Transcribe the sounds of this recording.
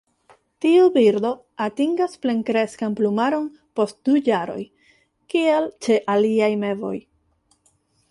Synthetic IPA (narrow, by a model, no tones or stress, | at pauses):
tiubiɾdo̞ | atiŋɡaspleŋkɾe̞skanplumaɾo̞n | po̞st̚dujaɾo̞̰j | kielt͡ʃe̞ʔaliajme̞vo̞̰j